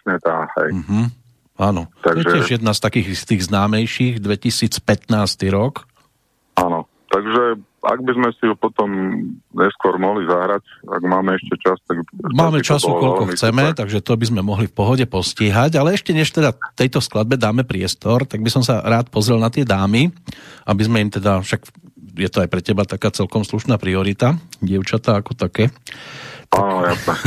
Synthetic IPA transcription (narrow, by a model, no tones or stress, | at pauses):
sɲɛt̪aːhɛ̰jm̩ɦm̩ | aːnɔt̪aɔjɛɪɛʒjɛd̪nast̪akiːɣist̪iːɣznaːmɛjʃiɣd̪ʋɛcisiːt͡spɛt̪naːst̪iɾɔk | anɔ | t̪aɡʒɛ | a̰ɡbizmɛsiupɔt̪ɔmɲɛskʊɔɾmɔɦlizaɦɾaca̰ɡmaːmɛɛʃcɛt͡ʃast̪aɡmaːmɛt͡ʃasukɔʎkɔxt͡sɛmɛt̪aɡʒɛt̪ɔbizmɛmɔɦlifpɔɦɔɟɛpɔsciːɦaɟalɛɛʃcɛɲɛʃt̪ɛd̪at̪ɛjt̪ɔsklad̪̚bɛd̪aːmɛpɾɪɛst̪ɔɾt̪aɡbisɔmsaɾaːt̪̚pɔzɾɛlnat̪ɪɛd̪aːmiʔabizmɛimt̪ɛd̪afʃaɡjɛt̪ɔajpɾɛcɛbat̪akaːt͡sɛlkɔmsluʃnaːpɾiɔɾit̪aɟɪɛʊt͡ʃat̪aːkɔt̪akɛː | t̪anjasnɛ